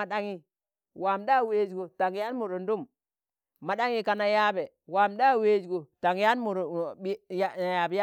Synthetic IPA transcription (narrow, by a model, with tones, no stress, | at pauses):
a˨ɗa˦ŋi˦ | wa˨mda˦˨we˦d͡ʒɡo˨ta˨ŋ˦ja˦nmu˨ɾo˨ndu˦m | ma˨ɗa˦ŋi˦ka˨na˨ja˦be˨ | wa˨mda˦we˦d͡ʒɡo˨ta˨ŋja˦nmu˨ɾi˦jja˨bja˦